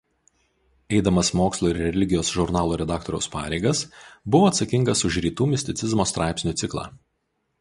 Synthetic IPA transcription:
ɛɪd̪ɐmɐsmoːkslˠoːɪɾɾʲɛlʲɪɡʲɪjoːsʒʊɾnɑːlˠuːɾʲɛd̪ɑːk̚t̪ɔɾʲɛʊspɑ̰ːɾʲɛeɪɡɐsbʊʋoːɐt̪sɐkʲɪŋɡɐsʊʃɾʲiːt̪uːmʲɪsʲt̪ʲɪt̪sʲɪzmoːst̪ɾɑˑɪpʲsnʲuːsʲɪklˠɑ̰ː

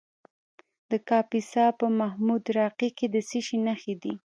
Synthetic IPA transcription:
d̪̥əkɑpisɑpəmahmud̪ɾɑqiked̪əsiʃinaxed̪i

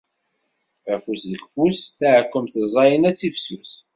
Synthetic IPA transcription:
æfusðəlfusθæʕkːəmθəzˤɑjənæt͡sːifsus

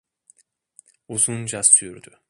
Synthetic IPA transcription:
uzund͡ʒasyɾd̪y̰

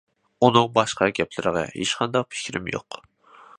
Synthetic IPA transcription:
unɨŋbɑʃqɑɡʲɛplɪɾɪʁɑ̰heʃqʰɑnd̪ɑq̚pʰɪ̥kʲʰɾɪ̰mjo̰q

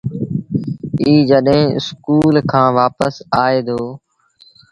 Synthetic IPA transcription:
iːd͡ʒəɗɦẽːɪ̰skuːlkʰãːʋaːpəsaːeːd̪oː

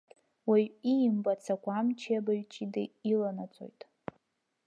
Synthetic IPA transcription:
waɥijmbat͡sʰakʷamt͡ʃʰijabaɥt͡ʃʼidɨ̰ilanat͡sʼo̞̰jtʼ

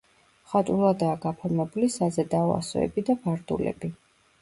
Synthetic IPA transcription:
χat̪ʼulˠad̪aːɡapʰɔɾmɛbulisazɛd̪aɔa̰sɔ̰ɛ̰bid̪abaɾd̪ṵlɛ̰bi

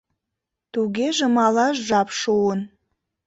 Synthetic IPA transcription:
t̪uɡʲeʒəmɑlɑʃʒɑpʃuən

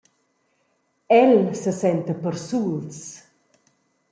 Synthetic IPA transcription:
ɛlsəsɛnt̪əpəɾsuls

